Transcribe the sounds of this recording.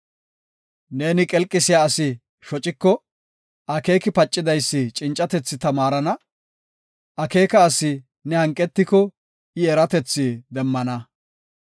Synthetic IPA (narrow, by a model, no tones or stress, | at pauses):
ne̞ːnɪkʼɛlkʼːɪsɪjaːsɪ | ʃɔt͡ʃʼɪkːɔ | ʔɐke̞ːkɪpɐt͡ʃʼːɪd̪ɐjsːɪt͡ʃʼɪnt͡ʃʼːɐt̪ɛt͡sːɪt̪ɐmaːɾɐnɐ | ɐke̞ːkɐːsɪ | nɛhɐŋkʼːɛt̪ːɪkɔ | ɪɛɾɐt̪ɛt͡sːɪd̪ɛmːɐnɐ